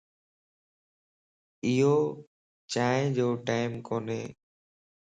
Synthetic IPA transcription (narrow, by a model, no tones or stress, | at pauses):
ɪjoː | t͡ʃaːẽd͡ʒoːʈaːɪmkoːneː